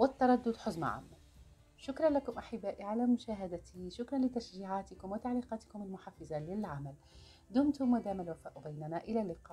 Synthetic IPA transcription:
wɪt̪ːɑɾˤɑd̪ːʊd̪ħʊzma̰ʕa̰ːmːa | ʃʊkɾˤɑnlakʊmʔaħɪbːaːʔiʕalaːmʊʃaːɦad̪at̪ʰiʃʊkɾˤɑnlɪt̪aʃʒiːʕaːt̪ɪkʊmwɪt̪aʕliːqɑːt̪ɪ̥kʊmalmʊħafɪzalɪlʕamal | d̪ʊnt̪ʊmːad̪aːmalwafaːʔbajnanaːʔɪlaːlːɪqɑːʔ

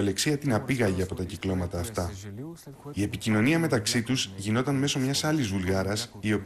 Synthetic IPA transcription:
le̞ksiɐt̪inɐpiɣɐʝeɐpo̞t̪ɐciklo̞mɐt̪ɐːft̪ɐ | ie̞picino̞niɐme̞t̪ɐksit̪uzʝino̞t̪ɐnme̞so̞mɲɐsɐlizvulɣɐɾɐsio̞p

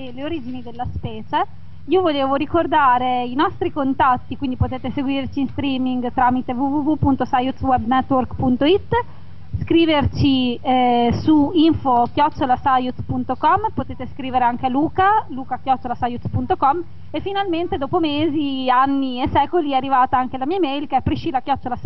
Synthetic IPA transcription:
eleoɾiːd͡ʒinid̪elːaspɛːt͡ʃe | iːovoleːvoɾikord̪aːɾeinɔst̪ɾikont̪at̪ːikwind̪ipot̪eːt̪eseɡwiːrt͡ʃiːnst̪ɾiːmiŋɡt̪ɾaːmit̪evuvuvupunt̪osajut̪swɛbnɛt̪ːworkpunt̪oit̪ː | skɾiːvert͡ʃi | suiɱfokjɔt͡ʃːolasajut̪spunt̪okɔmːpot̪eːt̪eskɾiːveɾeaŋk̟ealuːkaluːkakjɔt͡ʃːolasajut̪spunt̪okɔm | efːinalment̪ed̪ɔːpomeːzianːiesɛːkoliɛarːivaːt̪aaŋk̟elamiːamejlkeɛpɾiʃiːlakjɔt͡ʃːolas

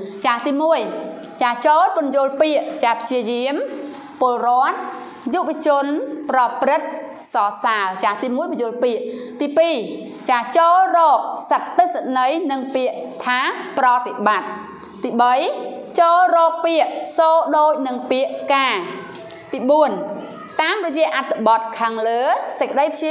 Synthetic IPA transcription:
t͡ɕaːt̪iːmuəj | t͡ɕaːt͡ɕoːlpʊnjoːlpiəʔt͡ɕaːpʰə̥t͡ɕiəjiəm | pŏəlrŏət̪̚ | juʔʋɑ̆t͡ɕʊ̆ənprɑprɨt̪̚ | sɑːsaət͡ɕaːt̪iːmuəjpajʊ̆əlpiəʔ | t̪iːpiː | t͡ɕaːt͡ɕoːlrɔːk̚sat̪ːɨsanəjnɨŋpiəʔt̪ʰaːprɑt̪eɓat̪̚ː | iːɓəj | t͡ɕoːlrɔːk̚piəʔsoːɗoːc̚nɨŋpiəʔkaː | t̪iːɓuən | t̪aːmrɔjɛəʔat̪ʰːɨɓɑt̪̚kʰaːŋləːsəc̚kːə̆ɗəjpʰi

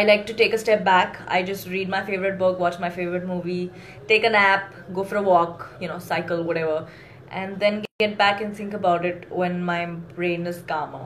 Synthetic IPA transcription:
aɪlaɪk̚ʈuʈeːkəsʈɛp̚bæka̰ɪd͡ʒʌsʈɾiːɖ̚maɪfeːʋəɾɪʈ̚bʊkwɔt͡ʃmaɪfeːʋəɾɨʈ̚muːʋi | ʈeːkə̃næp | ɡoːfɔɾəwɔːkjunoːsaɪkəlˠwɔɾɛʋə | ʔɛ̃nd̪ɛ̃nɡɡɛʈ̚bækɛ̃nθɪ̃ŋkəbaʊʈɪʈwɛ̃nmaɪb̥ɾẽːnɪzkʌ̃m

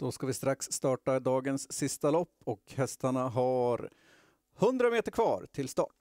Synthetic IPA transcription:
d̪̥ɔskavɪst̪ɾaksːt̪ɑːʈad̪ɑːɡənsːɪst̪alɔpːɔkhɛst̪aɳaɦaɾ | hɵnd̪ɾameːt̪əɾkʰvɑ̰ːɾt̪ʰɪlst̪ɑ̰ːʈ

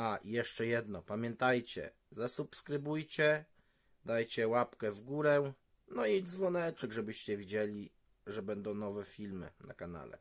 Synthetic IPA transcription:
ajɛʂt͡ʂɛjɛd̪nɔpamʲjɛnt̪ajt͡ɕɛ̰ | zasupskɾɘbujt͡ɕɛ | d̪ajt͡ɕɛwapkɛvɡuɾɛ | nɔid̪zvɔnɛt͡ʂɛɡʐɛbɘɕt͡ɕɛvʲid͡ʑelʲi | ʐɛbɛnd̪ɔ̃w̃nɔvɛfʲilmɘ̰na̰kana̰lɛ̰

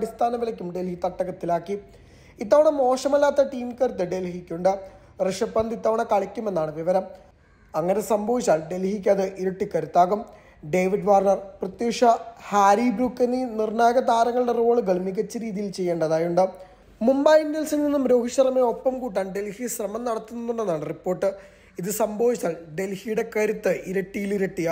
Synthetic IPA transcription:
ɽist̪ʰaːnɐʋilɐkʲːumɖelhit̪ɐʈːɐɣɐt̪ːilaːkːi | it̪ːaːʋɐɳɐmo̞ːʂɐmɐlːaːt̪ːɐʈiːmkɐɾt̪ːeɖelhikʲːuɳɖɨ | reʂɐpːɐnd̪it̪ːaːʋɐɳɐkɐɭɐkʲːume̞nːaːɳɨʋiʋɐɾɐm | ɐŋːɐne̞sɐmbʱɐʋit͡ɕːaːlɖe̞lhikʲːaːðɨʔiɾuʈːikːɐɾut̪ːaːɣum | ɖe̞ːʋiɖʋaːrɳɐrprɐt̪jeːkʂɐhaːɾibɾukːɐnːinirɳaːjɐɡɐd̪aːɾɐŋːɐɭiɽe̞ro̞ːɭɨɡɐɭmikʲːɐt͡ɕːɨɾiːðijilt͡ɕe̞jːeːɳɖɐðaːjuɳɖɨ | mumbɐjiɳɖelsilninːumɾo̞ːɦiɕːɐrɐmeo̞pːɐmkuːʈːaːɳɨɖe̞lhiɕrɐmɐmnɐɽɐt̪ːunːɐnːuɳːenːaːɳɨripːoːrʈːɨ | iðɨsɐmbʱɐʋit͡ɕːaːɭɖe̞lhijuɽe̞kɐɾut̪ːɨʔiɾɐʈːijiliɾɐʈːija

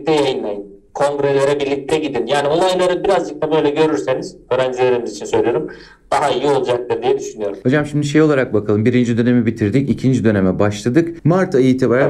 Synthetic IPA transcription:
t̪ʰɛjajɯnlˠajɯn | kʰo̞ŋɡɾelʲe̞ɾɛbiɾlʲːic̚t̪ʰɛɟid̪injaːnio̞lˠajlˠaɾɯbiɾazd͡ʒɯk̚t̪ʰabø̞jlʲɛɟø̞ɾyɾse̞niz̥ø̞ːɾænd͡ʒilʲe̞ɾimizit͡ʃʰinsø̞jlʲijoɾum | d̪̥aɦaijiio̞lˠd͡ʒak̚t̪ɯɾd̪ijɛd̪yʃynyjo̞ɾumho̞d͡ʒamʃimd̪iʃ̬e̞jolˠaɾak̚bakʰalˠɯmbiɾind͡ʒid̪ø̞ne̞mibit̪ʰiɾd̪icicʰind͡ʒid̪ø̞ne̞mɛbaʃlˠad̪ɯkmaɾt̪ʰajit̪ʰibaɾa

